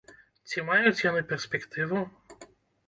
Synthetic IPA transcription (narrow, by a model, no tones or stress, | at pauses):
t͡sʲimajʊt͡sʲjɔnɪpɛrspʲɛkt̪ʰɪʋʊ